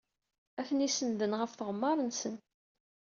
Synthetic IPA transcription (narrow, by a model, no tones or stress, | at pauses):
æçnisənðənʁəfθəʁəmːɑɾˤənsən